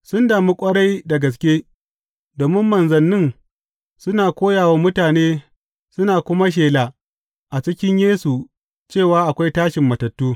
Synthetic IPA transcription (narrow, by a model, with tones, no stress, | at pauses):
sʊ˦ndaː˨mi˦kʷʼɐ˦ɽa˦jda˨ɡɐ˨s̬kʲe˦ | doː˨mɪ˦mːɐ˨nzɐ˨nːɪ˦˨ŋ | sʊ˦naː˨kʷoː˦jaː˨waː˦mʊ˦taː˨neː˦ | sʊ˦naː˨kʷʊ˦ma˦ʃ̬eː˨la˨ | ʔa˨t͡ʃɪ˦kʲɪ˦ɲjeː˦su˨ | t͡ʃeː˦˨waː˦ʔa˨kʷa˦jtaː˦ʃɪ˨mːɐ˨tɐ˨tːuː˦